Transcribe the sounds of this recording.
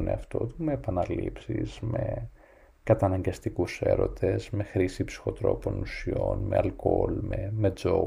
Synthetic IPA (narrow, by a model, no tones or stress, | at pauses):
neɐft̪o̞t̪umeːpɐnɐlipsiz̥me̞ | kɐt̪ɐnɐɲɡɐst̪ikuse̞̰ɾo̞̰t̪e̞zme̞xɾisipsi̥xo̞t̪ɾo̞po̞nusio̞̰nme̞ɐlkolmeme̞d͡zo̞